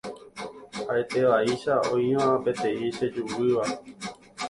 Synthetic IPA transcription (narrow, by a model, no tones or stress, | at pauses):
ae̞t̪e̞ʋaiʃaõĩʋãpe̞t̪ẽ̞ĩʃed͡ʒuʋɨʋa